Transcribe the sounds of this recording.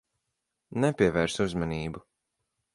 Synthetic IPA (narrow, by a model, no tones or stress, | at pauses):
nɛpʲiɛvɛɾsuzmaniːbu